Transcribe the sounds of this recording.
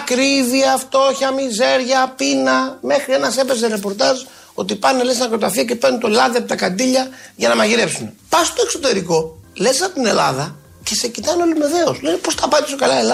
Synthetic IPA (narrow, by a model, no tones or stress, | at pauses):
kɾiviɐft̪o̞çɐmize̞ɾʝɐpinɐme̞xɾie̞nɐse̞pe̞zeɾe̞po̞ɾt̪ɐz | o̞t̪ipɐnelesnɐkɾot̪ɐfiɐce̞penunt̪oelɐðiepit̪ɐkɐnd̪iʎɐʝɐnɐmɐʝiɾe̞psune̞pɐst̪o̞ekso̞t̪e̞ɾiko̞lesɐot̪ine̞lɐ̰ðɐ | ce̞se̞cit̪ɐneo̞lime̞ðe̞oslenepo̞st̪ɐpɐt̪isokɐlɐelɐ